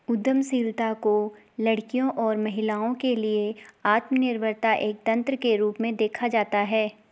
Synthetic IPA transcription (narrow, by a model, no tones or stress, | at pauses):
ʊd̪əmsiːɾt̪ako | lɐɽkijõʔɔːɾmɐɦɪlaːõkelieaːt̪mənɪɾbʱəɾt̪aʔeːk̚t̪ɐ̃nt̪ɾəkeɾuːpmẽd̪eːkʰad͡ʒaːt̪aɦɛː